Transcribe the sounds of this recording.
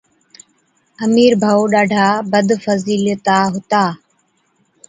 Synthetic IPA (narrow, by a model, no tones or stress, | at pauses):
əmiːɾbʱaːoːɗaːɖʱaːbəd̪fəziːlt̪aːɦʊt̪aː